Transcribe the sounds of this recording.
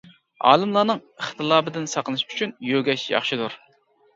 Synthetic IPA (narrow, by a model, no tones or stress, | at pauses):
ɑ̰ːlˠɨmlˠɑːnɨŋχt̪ɨlˠɑːbɨd̪ɪnsɑqlˠɨʃy̥t͡ʃʰynjøɡʲɛʃjɑ̰χʃɨd̪uɾ